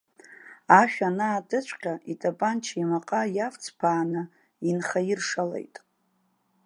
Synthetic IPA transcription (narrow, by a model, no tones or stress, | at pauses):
aʃᶣanaːdʼɨt͡ʃʷʰʼqʲaʔitʼabant͡ʃʰimaqʼajaft͡sʰpʰaːnɨ | inχajirʂalḛjtʼ